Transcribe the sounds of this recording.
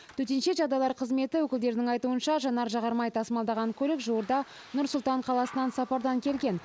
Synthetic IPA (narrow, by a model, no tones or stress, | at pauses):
t̪ʰɵt̪enʃe̞ʒɑd̪ɑlˠɑɾqʰəzme̞t̪ɪwɵkʲɪld̪e̞ɾɪnɪŋɑjt̪uənʃɑʒɑnɑɾʒɑʁɑɾmɑjt̪ʰɑsmɑlˠd̪ɑʁɑŋkʲʰɵlɪkʒuwəɾd̪ɑ | nʊɾsʊlˠt̪ɑɴqʰɑlˠɑsənɑnsɑpɑɾd̪ɑŋkʲʰe̞lɡʲe̞n